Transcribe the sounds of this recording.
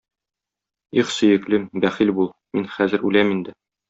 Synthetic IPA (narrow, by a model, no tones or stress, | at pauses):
iχsɵ̆jɘ̆klɘmbæχilbulˠminχæzɘ̆ɾʉlæmind̪ɘ